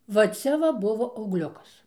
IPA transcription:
ʋɐ ˈt͡sʲɛ ʋɐ ˈbʊʋoː ɐʊɡˈlʲʊkɐs

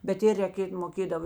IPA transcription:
bʲɛt ˈɪr rʲɛˈkʲeːt moːˈkʲeːdɐʋoː

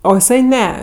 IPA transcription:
oː ɪˈsɐɪ ˈnʲɛ

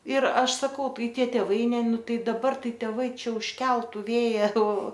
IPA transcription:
ɪr ˈɐʃ sɐˈkɐʊ ˈtɐɪ ˈtʲiɛ tʲeːˈʋɐɪ ˈnʲɛ ˈnʊ ˈtɐɪ dɐˈbɐr ˈtɐɪ tʲɛˈʋɐɪ ˈt͡ʃʲɛ ʊʃʲˈkʲɛlˠtʊ ˈʋʲeːjɛ oː

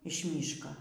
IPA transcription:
ɪʃ ˈmʲiːʃkoː

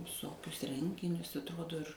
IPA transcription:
ʋʲɪˈsoːkʲʊs ˈrʲɛŋʲɡʲɪnʲʊs ɐtˈroːdoː ɪr

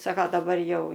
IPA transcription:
ˈsɑːkɐ dɐˈbɐr ˈjɛʊ

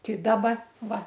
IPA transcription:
tʲɪ ˈdɑːbɐ ˈʋɐ

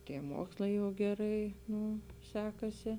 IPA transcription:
ˈtʲiɛ ˈmoːkslˠɐɪ jɛʊ ɡʲɛˈrɐɪ ˈnuː ˈsʲæːkɐsʲɪ

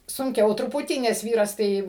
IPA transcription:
sʊŋʲˈkʲɛʊ trʊˈpʊtʲiː nʲɛs ˈʋʲiːrɐs ˈtɐɪ

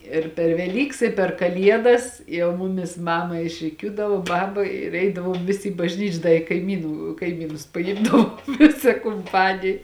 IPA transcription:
ɪr pʲɛr ʋʲɛˈlʲiːks ɪ pʲɛr kɐˈlʲiɛdɐs ˈjɛʊ ˈmʊmʲɪs ˈmɑːmɐ ɪʃʲrʲɪˈkʲuːdɐʋoː ˈbɑːbɐ ɪr ˈɛɪdɐʋoːm ˈʋʲɪsʲɪ ɪ bɐʒʲˈnʲiːt͡ʃʲ ˈdɐ ɪ kɐɪˈmʲiːnuː kɐɪˈmʲiːnʊs pɐˈɪmdɐʋoːm ˈʋʲɪsɐ kʊmˈpɑːnʲɪj

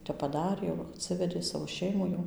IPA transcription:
ˈtʲɛp pɐˈdɑːrʲeː jɛʊ ɐtʲˈsʲɪʋʲɛdʲeː ˈsɑːʋoː ˈʃʲɛɪmuː jɛʊ

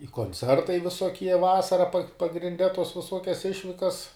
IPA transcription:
ɪ koːnʲˈt͡sʲɛrtɐɪ ʋʲɪsoːˈkʲiɛ ˈʋɑːsɐrɐ pɐ pɐɡrʲɪnʲˈdʲɛ toːs ʋʲɪˈsoːkʲɛs ˈɪʃʲʋʲɪkɐs

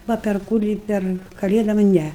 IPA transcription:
ˈʋɐ pʲɛr ˈkʊrʲiː ˈpʲɛr kɐˈlʲeːdoːm ˈnʲɛ

